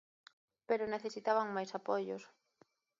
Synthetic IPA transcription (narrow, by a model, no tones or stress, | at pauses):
peɾʊneθesit̪aβaŋmajsapoʎʊs